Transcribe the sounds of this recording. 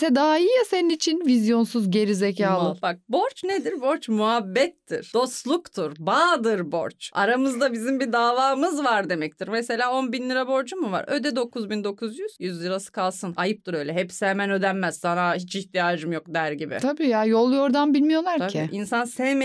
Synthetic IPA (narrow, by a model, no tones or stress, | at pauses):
sɛd̪aɦaijaseninit͡ʃʰinvizjo̞nsuzɟe̞ɾizecʰaːlbak̚bo̞ɾt͡ʃned̪iɾbo̞ɾt͡ʃmuɦabːɛt̪ːḭɾ̥d̪̥o̞st̪lˠukt̪ʰɯɾbaːd̪ɯɾbo̞̰ɾt͡ʃa̰ɾamɯzd̪abizimbid̪aːvaːmɯzvaɾd̪e̞mɛc̚t̪ʰiɾmese̞lʲaːo̞nbinlʲiɾabo̞ɾd͡ʒumuva̰ɾø̰d̪ɛd̪o̞kʰuzbind̪o̞kʰuzjyz̥jyzlʲiɾasɯ̥kʰalˠsɯnajɯp̚t̪ʰɯɾø̞jlʲɛɦɛpsejmænø̞d̪ænmæz̥sanahit͡ʃiçt̪ijaːd͡ʒɯmjo̞k̚d̪æɾɟibɪ̰t̪ʰabiːjajo̞lˠjo̞ɾd̪anbilʲmijo̞lˠaɾʰacʰiʔinsansɛm